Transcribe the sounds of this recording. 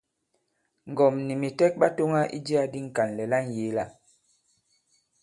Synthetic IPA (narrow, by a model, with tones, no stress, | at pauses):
ŋ˨ɡɔ˨mni˨mi˨tɛ˦k̚ba˦to˦ŋa˦ʔḭ˦d͡ʒi˦a˦di˦ŋ̩˨ka˨nlɛ˨la˦n˨je˨˦la˦˨